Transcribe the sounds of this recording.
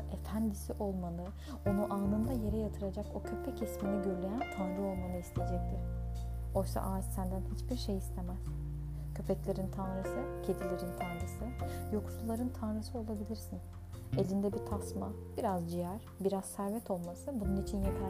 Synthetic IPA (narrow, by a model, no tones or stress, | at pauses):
e̞fænd̪isiʔo̞lˠmanɯ | o̞nuʔaːnɯnd̪aje̞ɾɛjat̪ʰɯɾad͡ʒako̞cʰø̞pʰɛcisminiɟøɾlʲe̞jænt̪ʰanɾɯo̞lˠmanɯist̪ʰed͡ʒɛc̚t̪ʰɪɾ̥ | o̞jsa̰ʔaːd͡ʒsænd̪ænhit͡ʃbiɾʃejist̪ʰemæz̥ | cʰø̞pʰɛclʲe̞ɾint̪ʰanɾɯsɯcʰe̞d̪ilʲeɾint̪ʰanɾɯsɯjo̞ksuulˠaɾɯnt̪ʰanɾɯsɯo̞lˠabilʲiɾsin | e̞lʲind̪ɛbit̪ʰasmabiɾazd͡ʒijæɾ̥ | biɾaz̥sæɾvɛt̪ʰo̞lˠmasɯbununit͡ʃʰinjakʰa